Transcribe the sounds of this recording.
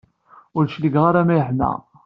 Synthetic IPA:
ʊɾʃliɡʁaɾamæjəħnæ̰

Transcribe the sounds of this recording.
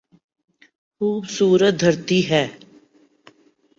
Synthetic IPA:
xuːbsuːɾət̪̚d̪ʱəɾt̪iːɦɛː

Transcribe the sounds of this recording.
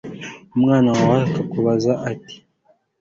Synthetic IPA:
mŋanaawakakuβazaʔati̥

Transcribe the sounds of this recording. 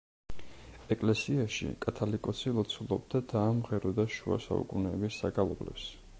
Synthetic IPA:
ɛkʼlɛsiaʃḭkʼat̪ʰalikʼɔsilˠɔt̪sʰulˠɔb̚d̪ad̪aːmʁɛɾɔd̪aʃua̰sa̰ṵkʼunɛːbisːaɡalˠɔblɛ̰ps

